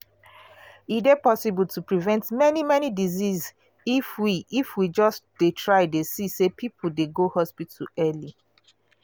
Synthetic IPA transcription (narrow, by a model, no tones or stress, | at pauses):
idepɔsibultʰupɹivɛ̃ntmɛnimɛnidiziz | ifwiifwid͡ʒɔsdetʰɹaɪdesisepʰipʰəl̩deɡohɔspituɛli